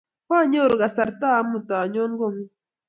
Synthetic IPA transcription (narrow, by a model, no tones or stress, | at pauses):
paɲoɾɢɑsaɾt̪amʊt̪aɲoɴɢom